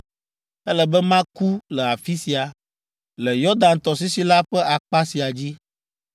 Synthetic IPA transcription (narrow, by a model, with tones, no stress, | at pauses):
ɛ˦lɛ˨bɛ˦mã˦ku˦lɛ˨a˨fi˦si˨a˨ | lɛ˨jɔ˦d̪ã˨nt̪ɔ˨s̬i˦si˦la˦ɸɛ˦a˨k͡pa˦si˨a˨d͡ʑi˦